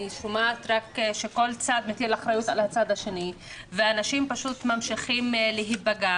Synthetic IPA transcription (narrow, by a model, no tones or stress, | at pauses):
iʃumaːt̪ʁakʃeko̞lt͡sad̪met̪ielaχɾajutalhat͡sad̪haʃe̞ni | veanaʃimpaʃut̪mamʃiχimleɦibaɡa